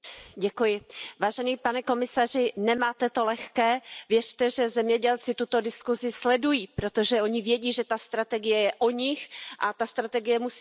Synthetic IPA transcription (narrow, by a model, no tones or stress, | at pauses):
ɟɛkujɪvaːʒɛniːpanɛko̞mɪsar̝ɪnɛmaːt̪ɛt̪o̞lɛxkɛːvjɛr̝t̪ɛʒɛzɛmɲɛɟɛlt͡sɪt̪ut̪o̞dɪskuzɪslɛdujiːpɾo̞t̪o̞ʒɛo̞ɲɪvjɛɟiːʒɛt̪ast̪ɾat̪ɛɡɪjɛjɛʔoɲɪxʔat̪ast̪ɾat̪ɛɡɪjɛmus